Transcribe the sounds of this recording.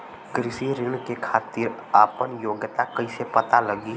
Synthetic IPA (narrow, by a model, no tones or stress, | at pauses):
kɾɪʃiɾɪnkekʰaːt̪iːɾaːpənjoːɡjt̪akəisepət̪aləɡiː